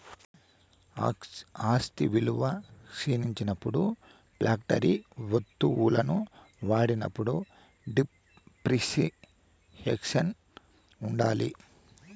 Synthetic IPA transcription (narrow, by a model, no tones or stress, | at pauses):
aːst̪iʋiluʋɐʂiːniɲt͡ʃinɐpːuɽu | plʔaːkʈɐ̰ɾiʋot̪ːuuːlɐnu | ʋaːɽinɐ̰pːuɽu | ɖi | pɾisi | hekʂɐn | uɳɖaːlḭ